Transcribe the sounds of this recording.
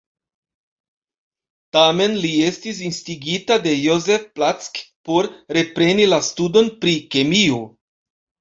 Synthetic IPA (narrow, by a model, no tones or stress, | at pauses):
tame̞nlie̞stis̬instiɡitade̞joze̞fplat͡skpo̞ɾɾe̞pɾe̞nilastudo̞npɾike̞mio